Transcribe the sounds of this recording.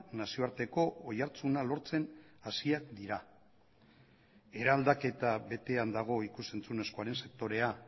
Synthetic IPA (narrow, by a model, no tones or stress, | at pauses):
nasio̞aɾt̪e̞ko̞ojaɾt͡sunalo̞ɾt͡se̞nasiakd̪iɾa | e̞ɾald̪ake̞t̪aβe̞t̪e̞and̪aɣ̞o̞ikuse̞nt͡sune̞sko̞aɾe̞nse̞k̚t̪o̞ɾe̞a